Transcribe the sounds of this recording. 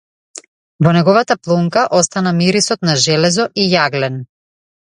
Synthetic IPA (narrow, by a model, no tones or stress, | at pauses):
vɔnɛɡɔvat̪aplˠuŋkaʔɔst̪anamiɾisɔt̪naʒɛlɛzɔʔijaɡlɛn